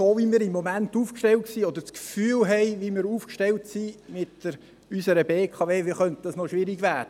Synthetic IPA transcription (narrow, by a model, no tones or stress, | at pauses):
soːʋimiːɾɪmːɔmænt̪uːfkʃtɛltksiːɔd̪əɾt͡skfyːlɦɛɪʋimɪːɾuːfkʃtɛltsimɪtəɾ | ysəɾəbeːkʰɑʋeːʋiχœnt̪əd̥ɑsnɔʃʋɪɾiɡʋæːd̥ə